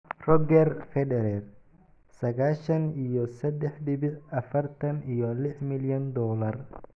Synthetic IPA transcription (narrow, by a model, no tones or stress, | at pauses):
rɔɡɛrfɛdɛɾɛr | sɐɣaːʃɐnijɔsɐd̪ɛħd̪ɪβɪd̪ɐfɐrt̪ʰɐnijɔlɪħmɪljɐnd̪ɔːlɐr